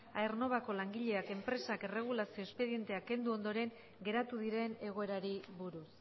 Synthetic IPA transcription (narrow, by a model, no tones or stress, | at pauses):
aerno̞β̞ako̞laŋɡiʎe̞ake̞mpɾe̞sakere̞ɣ̞ulasio̞e̞spe̞ðie̞nt̪e̞ake̞nd̪uo̞nd̪o̞ɾe̞ŋ | ɡe̞ɾat̪uðiɾe̞ne̞ɣ̞o̞e̞ɾaɾiβuɾus